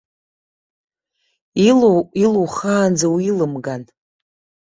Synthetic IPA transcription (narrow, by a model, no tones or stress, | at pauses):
iiluwχaːnd͡zawilɨmɡan